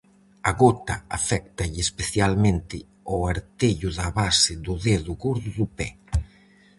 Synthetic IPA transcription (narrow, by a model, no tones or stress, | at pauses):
aɣot̪a̰afɛk̚t̪ɐʎespeθjalmẽnt̪ɪ | oaɾt̪eʎʊðɐβasɪðʊðeðʊɣoɾðʊðupɛ